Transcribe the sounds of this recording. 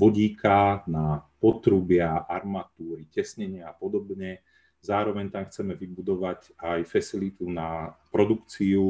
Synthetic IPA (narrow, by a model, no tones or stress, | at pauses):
ʋɔɟiːkʰanapɔt̪ɾubɪaʔaɾmat̪uːɾicɛsɲɛɲɪaːpɔd̪ɔbɲɛ | zaːɾɔʋɛɲt̪amxt͡sɛmɛʋibud̪ɔʋac | ajfɛsilit̪unapɾɔd̪ukt͡siu